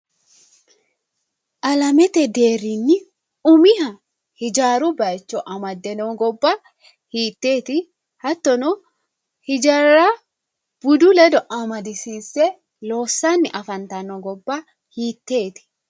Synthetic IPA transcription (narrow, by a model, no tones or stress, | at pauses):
ʔɐlɐmɛt̪ɛd̪eːɾinːɪ | ʊmɪhɐ | hɪd͡ʒaːɾʊbɐt͡ʃːɔʔɐmɐd̪ːɛnɔɡɔbːa | hiːt̪ːeːt̪ɪ | hɐt̪ːɔnɔ | hɪd͡ʒɐɾa | b̥ʊd̪ʊlɛd̪ɔʔɐmɐd̪ɪsiːsːɛ | loːsːanːɪʔɐfɐnt̪ɐnɔɡɔbːa | hiːt̪ːeːt̪ɪ̥